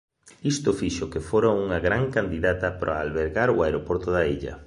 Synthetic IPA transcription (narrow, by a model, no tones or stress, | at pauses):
ist̪ʊfiʃʊkefoɾauŋɐɣɾaŋkand̪iðat̪ɐpɾo̰alβeɾɣaɾuaeɾopoɾt̪ʊðaiʎɐ̰